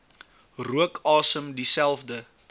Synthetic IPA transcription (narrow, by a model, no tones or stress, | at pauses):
ruəkʰɑːsəmdisælˠfdə